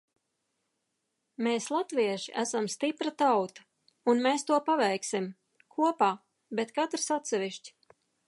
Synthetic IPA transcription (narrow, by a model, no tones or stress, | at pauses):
meːslˠat̪viɛʃiʔæsamst̪ipɾat̪awt̪ḁ | unmeːst̪uɔpavɛjksim | kʰuɔpaː | bet̪kat̪ɾsat̪sɛviʃt͡ʃʲ